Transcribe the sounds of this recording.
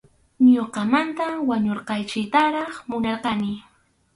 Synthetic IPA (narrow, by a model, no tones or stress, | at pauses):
ɲoqɑmant̪awaɲoɾqɑjt͡ʃɪt̪aɾɑχmʊnɑɾqɑnɪ